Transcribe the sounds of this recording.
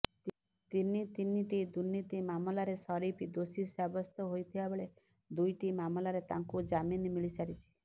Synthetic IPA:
t̪init̪iniʈid̪unːit̪imamɔlaɾesɔɾipid̪osisabɔst̪ɔɦojt̪ʰibabeɭe | d̪ujʈimamɔlaɾet̪aŋkud͡ʒaminmilisaɾit͡ʃʰi̥

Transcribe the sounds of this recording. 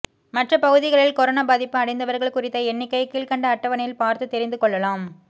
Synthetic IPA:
mɐʈrɐpɐɣɯðɪɣɐɭɪlkɔɾoːnaːbɐðɪpːɯɐɽɐɪnd̪ɐʋɐɾɣɐɭkʊrɪt̪ːɐɛnːɪkːɐɪkiːɭkɐɳɖɐːʈːɐʋɐnɐjɪlpaːɾt̪ɯt̪ːɛɾɪnd̪ɯkɔɭːɐlaːm

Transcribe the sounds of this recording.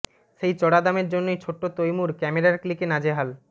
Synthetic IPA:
ʃejt͡ɕɔɽad̪ameɾd͡ʑonːojt͡ɕʰoʈːot̪ojmuɾkɛmeɾaɾklikenad͡ʑeɦal

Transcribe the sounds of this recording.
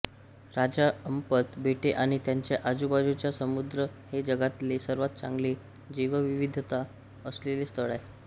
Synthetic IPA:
ɾad͡ʑaəmpət̪bʱeʈeʔaɽ̃it̪jaɲt͡ɕjaʔad͡zubad͡zut͡ɕjasəmud̪ɾəhed͡ʑəɡat̪lesəɾʋat̪̚t͡sã̰ŋɡle | d͡ʑiʋəʋiʋid̪ʱt̪a | əslelest̪əɭaj

